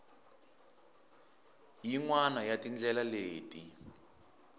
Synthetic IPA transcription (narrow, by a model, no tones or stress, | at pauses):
jiŋwanajatind͡ɮɛlaleːti